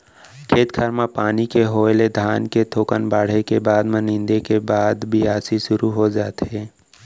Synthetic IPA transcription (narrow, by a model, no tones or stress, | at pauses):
kʰeːt̪kʰəɾmapaːnikeɦoːjled̪ʱaːnket̪ʰoːkənbaːɽ̤ekebaːd̪mẽnɪ̃nd̪ekebaːd̪bʱiaːsiʃʊɾuɦod͡ʒaːt̪ɦɛː